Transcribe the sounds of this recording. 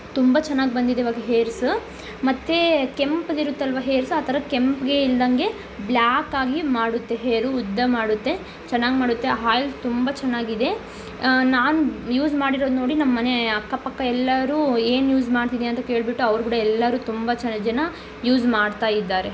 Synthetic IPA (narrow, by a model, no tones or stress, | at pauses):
t̪umbɐt͡ʃɛnːaːɡbɐnd̪id̪eiʋaːɡeɦeːɾsu | mɐt̪ːe̞kempd̪iɾut̪ːeɐlʋɐɦeːɾsaːt̪ʰɐɾɐkempɡe̞ild̪ɐŋɡe̞ | blaːkːaːɡimaːɽut̪ːe̞ɦeːɾuːd̪ːɐmaːɽut̪ːe̞ | t͡ʃɛnːaːɡmaːɽut̪ːeɦaːjlt̪umbɐt͡ʃɛnːaːɡid̪e̞ | naːnujuːzmaːɽiɾo̞ːd̪uno̞ːɽinɐmːɐne̞ɐkːɐpɐkːɐɛlːɐɾuːe̞ːnjuːd͡ʒmaːɽt̪id̪iɐnt̪ɐke̞ːɭbiʈːuɐʋɾukuːɽɐɛlːɐɾuːt̪umbɐt͡ʃɐnd͡ʒɐnɐ | juːd͡ʒmaːɽt̪aːjid̪ːaːɾe̞